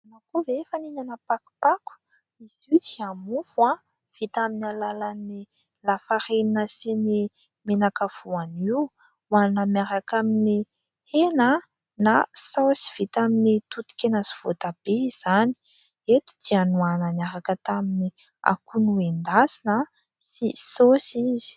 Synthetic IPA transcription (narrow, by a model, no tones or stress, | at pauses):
nakovefaniɲanapaku̥paku̥ | iz̥iud͡ʒiamuvwa | v̥it̪aminalalani | lafaɾeninəsini | menakav̥uaniw | wanamjaɾakamini | henə | nasosi̥v̥it̪aminit̪ut̪u̥kʲenəsi̥v̥ot̪ab̥ez̥ani̥ | et̪u̥d̪ianuanamjaɾakət̪amini | a̰kunuend̪asinə | sisosiz̥i̥